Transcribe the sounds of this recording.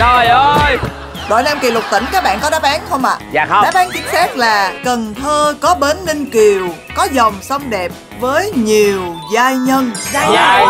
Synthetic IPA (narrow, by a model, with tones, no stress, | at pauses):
jə˧j | ɗo̰˧˨jnaː˧mki˨˩lʊ˨˩t̪ï˧˩ŋ̟kaː˦˥k̚ɓa̰ː˧˨nkɔ˨˦ɗaː˨˦˥mɓaː˨˦nxʰə˧wŋ͡mʔa̰ː˧˨˧ɗaː˨˦˥mɓaː˨˦nt̪i˨˦ənsaː˦˥t̚laː˨˩kə˨˩nt̪ʰəː˧kɔ˨˦ɓe˨˦nːï˧ŋki˨˩əw | kɔ˨˦zə˨˩wŋ͡msə˧wŋ͡mɗɛ˨˩p̚ | vəː˨˦jɲi˨˩əwzaː˧jɲə˧nː˧